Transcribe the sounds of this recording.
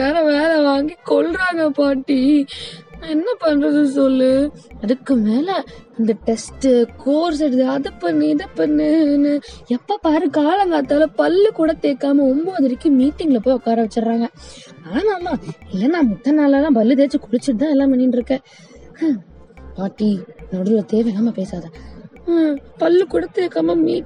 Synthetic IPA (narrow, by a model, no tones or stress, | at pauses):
ʋeːlɐʋeːlɛʋaːŋɡikɔɭɾaːŋɡɐpaːʈːi | ɛnːɐpɐnːɾɐðɯsɔlːɯɐðɯkːɯmeːlɛɐnd̪ɐʈɛsʈɯkoːɾs̬ɛɽɯðɯɐðɯpːɐnːɯɪðɐpːɐnːɯnɯɛpːoːpaːɾɯkaːlɐŋɡaːt̪ːaːlɐpɐlːɯkuːɽɐt̪ːeːkːaːmɐɔmboːɐðɐɾɪkːɯ̃miːʈːɪŋɡlɐpːoːjɔkːaːɾɐʋɐt͡ʃːɯɾɾaːŋɡɐaːnaːmaːɪlːɐnãːmɔt̪ːɐnaːlaːlãːpɐlːɯt̪eːt͡ʃːɯkʊɽɪt͡ʃːɪɽɯt̪ãːɛlːãːpɐɳːinɖɪɾɯkːɛ̃ː | paːʈːinɐɽɯlɐt̪eːʋɐjlaːmɐpeːsaːðɐ | pɐlːɯkʊɽɐt̪ːeːkːaːmɐmiː